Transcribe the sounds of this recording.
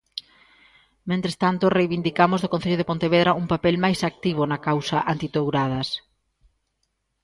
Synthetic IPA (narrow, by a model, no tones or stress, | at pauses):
mẽnt̪ɾest̪ant̪orejβind̪ikamoʊzðokõn̟θeʎoðepõnt̪eβeðɾaʔuŋpapɛlmajsak̚t̪iβ̞onɐkawsɐʔant̪it̪owɾað̞ɐs